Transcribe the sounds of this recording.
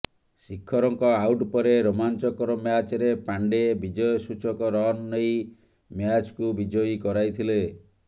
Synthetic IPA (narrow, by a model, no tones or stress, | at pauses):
sikʰːɔɾɔŋkɔawʈpɔɾeɾomant͡ʃɔkɔɾɔmjat͡ʃɾepaɳɖebid͡ʒɔjɔsut͡ʃɔkɔɾɔnːej | mjat͡ʃkubid͡ʒɔjikɔɾajt̪ʰile